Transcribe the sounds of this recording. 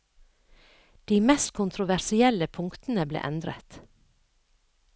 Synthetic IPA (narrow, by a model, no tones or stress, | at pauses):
d̪̥iːmɛst̪kʰʊnt̪ʰɾʊʋæɾsɪɛləpʰʊŋkt̪n̩əblḛːʔɛnd̪ɾə̰t̪